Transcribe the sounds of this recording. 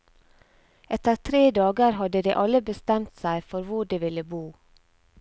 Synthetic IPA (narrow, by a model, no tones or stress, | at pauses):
ʔɛt̪əɾt̪ʰɾeːd̪ɑːɡəɾhɑd̪əd̪eːʔɑləbəst̪ɛmt̪sæɪfɔɾʋʊɖeːʋɪləbuː